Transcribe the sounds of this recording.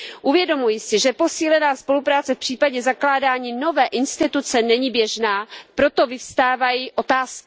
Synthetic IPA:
ʔuvjɛdo̞mujɪsɪʒɛpo̞siːlɛnaːspo̞lupɾaːt͡sɛfpr̝̥iːpaɟɛzaklaːdaːɲiːno̞vɛːʔɪnst̪ɪt̪ut͡sɛnɛɲiːbjɛʒnaːpɾo̞t̪o̞vɪfst̪aːvajiʔo̞t̪aːsk

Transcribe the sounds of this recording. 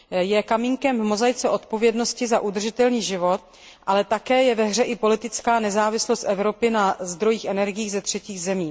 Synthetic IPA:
jɛkamiŋkɛmvmo̞zajt͡sɛʔo̞t̪̚po̞vjɛdno̞scɪzaʔud̪r̩ʒɪt̪ɛlniːʒɪvo̞t̪̚ | ʔalɛt̪akɛːjɛvɛɦr̝ɛʔɪpo̞lɪt̪ɪt͡skaːnɛzaːvɪslost̪ʔɛvɾo̞pɪnazd̪ɾo̞jiːxʔɛnɛɾɡɪjiːɣzɛt̪r̝̥ɛciːɣzɛmiː

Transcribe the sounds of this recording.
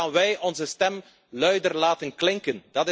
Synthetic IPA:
aːnʋɛjʔɔnzəstɛm | lœɥdərlaːtənklɪŋkənd̥ɑtɪ

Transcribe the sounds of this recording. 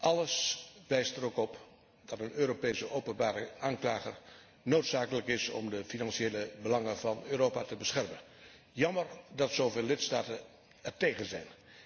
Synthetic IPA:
ʔɑləsʋɛjstəɾokɔp | d̥ɑtənøːɾopejsəʔowpənbaːɾəʔaːnklaːχər | nowtsaːkələkɪsɔ̰mdəfinɑnseːləbəlɑŋənvɑnøːɾoːpatəbəsχɛrmən | jɑməɹdɑtsowveːlːɪtstaːtən | ɛrtejɣənzɛ̰jn

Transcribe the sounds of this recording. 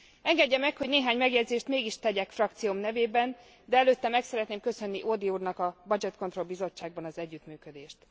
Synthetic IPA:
ɛŋɡɛɟːɛmɛkho̞ɟneːɦaːɲmɛɡjɛd̪zeːʃt̪meːɡiʃt̪ɛɟɛkfrɒk̚t̪sijomnɛveːbɛn | d̪ɛɛløːt̪ːɛmɛksɛɾɛt̪neːmkø̞sø̞nːiʔod̪iuːrnɒkɒbɒd͡ʒɛt̪ko̞nt̪ro̞lbizo̞t͡ʃːaːɡ̚bɒnɒzɛɟːyt̪myːkød̪eːʃt̪

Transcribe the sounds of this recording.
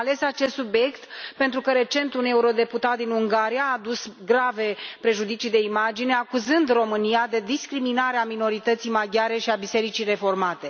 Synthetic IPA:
le̞sat͡ʃe̞st̪subje̞kt̪pent̪ɾukəɾe̞t͡ʃe̞nt̪une̞uɾo̞d̪e̞put̪at̪̚d̪inuŋɡaɾijaːd̪usɡɾave̞pɾe̞ʒud̪it͡ʃid̪e̞imad͡ʒine̞akuzɨnd̪ro̞mɨnijad̪e̞d̪iskɾiminaɾeamino̞ɾit̪ət̪sijmaɡʲjaɾe̞ʃiabise̞ɾit͡ʃijre̞fo̞rmat̪e̞

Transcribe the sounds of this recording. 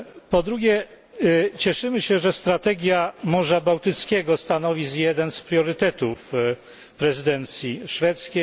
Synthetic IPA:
pɔd̪ɾuɡʲjɛ | t͡ɕɛʂɘmɘɕɛʐɛst̪ɾat̪ɛɡʲjamɔʐabawt̪ɘt̪skʲɛɡɔst̪anɔvʲizjɛd̪ɛnspɾʲjɔɾɘt̪ɛt̪uf | pɾɛzɘd̪ɛnt̪sʲjiʂfɛt̪skʲe

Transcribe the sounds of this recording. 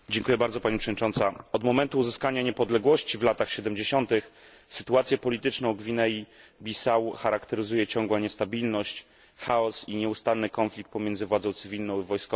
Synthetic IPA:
d͡ʑɛŋkujɛbaɾdzɔpaɲipʂɛvd̪ɲit͡ʂɔ̃nt̪saɔd̪mɔmɛnt̪uːzɘskaɲaɲɛpɔd̪lɛɡwɔɕt͡ɕivlat̪axɕɛd̪ɛmd͡ʑeɕɔnt̪ɘx | sɘt̪uat̪sʲjɛpɔlʲit̪ɘt͡ʂnɔ̃w̃ɡvʲinɛjibʲisawxaɾakt̪ɛɾɘzujɛt͡ɕɔŋɡwaɲɛst̪abʲilnɔɕt͡ɕ | xaɔsiɲɛust̪anːɘkɔnflʲik̚t̪̚pɔmʲjɛnd̪zɘvwad̪zɔ̃w̃t̪sɘvʲilnɔ̃w̃ivɔjskɔ

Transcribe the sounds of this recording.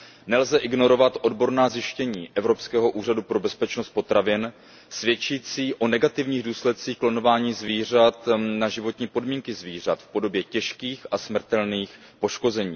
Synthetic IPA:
nɛlzɛʔɪɡno̞ɾo̞vat̪ʔo̞dbo̞ɾnaːzjɪʃcɛɲiːʔɛvɾo̞pskɛːɦo̞ʔuːr̝adupɾo̞bɛspɛt͡ʃnost̪̚po̞t̪ɾavɪn | svjɛt͡ʃiːt͡siːʔo̞nɛɡat̪ɪvɲiːɣduːslɛt̪̚t͡siːxklono̞vaːɲiːzviːr̝at̪naʒɪvo̞t̪ɲiːpo̞dmiːŋkɪzviːr̝at̪fpo̞do̞bjɛcɛʃkiːxʔasmr̩t̪ɛlniːx | po̞ʃko̞zɛɲḭː

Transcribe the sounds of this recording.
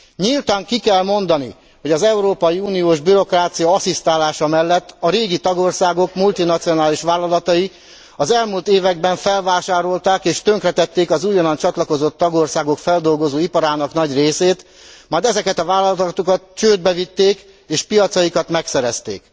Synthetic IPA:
ɲilt̪aːŋkikɛlmo̞nd̪ɒnḭ | ho̞ɟɒzɛuɾoːpɒjiuːnijoːʒbyɾo̞kraːt̪sijɒɒsist̪aːlaːʃɒmɛlːɛt̪ːɒɾeːɡit̪ɒɡo̞rsaːɡo̞kmult̪inɒt̪sijo̞naːliʃʋaːlːɒlɒt̪ɒji | ɒzɛlmuːlt̪eːvɛɡbɛɱfɛlvaːʃaːɾo̞lt̪aːkeːʃt̪ø̞ŋkrɛt̪ɛt̪ːeːkɒzuːjɒnɒnt͡ʃɒt̪lɒko̞zo̞t̪ːɒɡo̞rsaːɡo̞kfɛld̪o̞lɡo̞zoːipɒɾaːnɒknɒɟreːseːt̪ | maːjd̪ɛzɛkɛt̪ɒvaːlɒlt̪okɒt̪t͡ʃøːd̪̚bɛvit̪ːeːk | eːʃpijɒt̪sɒjikɒt̪mɛksɛɾɛst̪ḛːk

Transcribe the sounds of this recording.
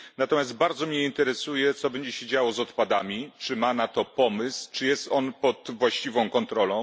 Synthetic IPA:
nat̪ɔmʲjast̪̚baɾd̪zɔmʲɲɛint̪ɛɾɛsujɛt̪sɔbɛɲd͡ʑɛɕeɛd͡ʑawɔzɔt̪pad̪amʲit͡ʂɘmanat̪ɔpɔmɘst͡ʂɘjɛst̪ɔnpɔt̪vwaɕt͡ɕivɔ̃w̃kɔnt̪ɾɔlɔ̃w̃

